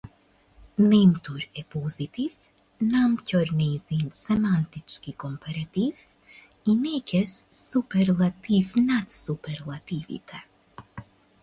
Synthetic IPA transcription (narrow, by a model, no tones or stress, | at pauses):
nimt̪uɾɛpɔzit̪iv | namcɔɾnizinsɛmant̪it͡ʃkikɔmpaɾat̪iv | inɛkɛsːupɛɾlˠat̪ivnat̪supɛɾlˠat̪ivḭt̪ʰɛ